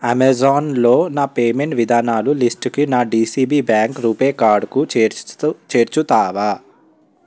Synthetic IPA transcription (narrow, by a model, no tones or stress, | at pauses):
ɐmezaːnloːnaːpeːmeɳʈʋid̪ʱaːnaːlulisʈkinaːɖiːsiːbiːbjaːŋkɾuːpeːkaːɾɖku | t͡ʃeːɾt͡ʃut̪aːʋaː